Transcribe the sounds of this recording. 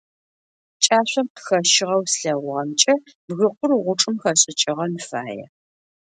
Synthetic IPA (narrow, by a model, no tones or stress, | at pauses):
t͡ʃʼaːɕʷɐmpxɐʃɪʁɐwsɬɐwʁɐmt͡ʃʼɐ | bɣɨqʷʊrʁʷʊʈ͡ʂʼɨmxɐɕʼɪt͡ʃʼɪʁɐnfa̰ːjɛ̰